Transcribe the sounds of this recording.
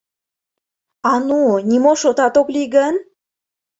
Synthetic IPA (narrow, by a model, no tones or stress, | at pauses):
ɑnunʲimoʃot̪ɑt̪oklʲiɡən